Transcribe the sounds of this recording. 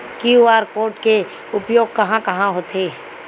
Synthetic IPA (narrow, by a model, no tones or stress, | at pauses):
kiuaːɾkoːɾʈke | ʊpjoːɡ̚kɐɦãkɐɦãɦoːt̪ʰe